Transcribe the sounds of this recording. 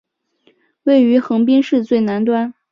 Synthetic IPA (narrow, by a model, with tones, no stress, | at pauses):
we˥˩ɪy˧˥xɤ˧˥ŋp̬i˥ŋʂɻ̩˥˧t͡swe˥˩ɪna˧˥nt̪wa˥n